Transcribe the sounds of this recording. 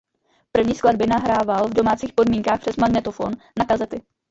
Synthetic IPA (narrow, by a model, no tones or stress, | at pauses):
pr̩vɲiːskladbɪnaɦɾaːvalvdo̞maːt͡siːxpo̞dmiːŋkaːxpr̥ɛsmaɡnɛt̪ofo̞̰n | nakazɛt̪ɪ